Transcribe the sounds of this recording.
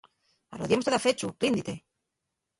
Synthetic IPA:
a̰loðjimot̪eðafet͡ʃu̥ind̪it̪e

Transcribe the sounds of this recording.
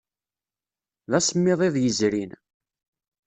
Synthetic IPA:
ðæsəmːɪðˤeðˤjəzɾin

